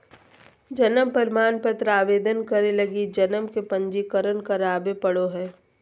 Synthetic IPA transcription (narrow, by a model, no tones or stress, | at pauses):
d͡ʒənəmpəɾɪmaːnpət̪ɾaːʋeːd̪ənkəɾelɐɡid͡ʒɐnəmkepə̃ɲd͡ʒikəɾənkɐɾaːbepɐɽoɦɛː